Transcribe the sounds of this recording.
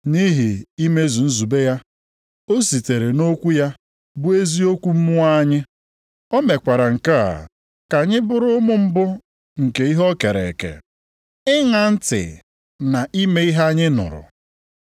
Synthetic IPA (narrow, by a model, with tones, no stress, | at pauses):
ni˦ɦi˨i˦me˦zu˨n̩˦zu˨be˦ja˦ | o˦si˨te˨ɾe˨no˦kʷu˦ja˦ | bʊ˦e˦zi˦o˦kʷu˦m̩˦mʊ˦a˦ɲɪ˦ | o˦me˨kʷa˨ɾa˨ŋ̩˨ka˦a̰˨ | ka˨ɲɪ˦bʊ˦ɾʊ˦mʊ˦m̩˦bʊ˦ | ŋ̩˨ke˨i˦ɦɔ˦ke˨ɾḛ˨kḛ˨ | ɪ˦ŋa˨n̩˦tɪ̰˨ | na˨ʔi˦me˦i˦ɦa˦ɲɪ˦nʊ̰˨ɾʊ̰˨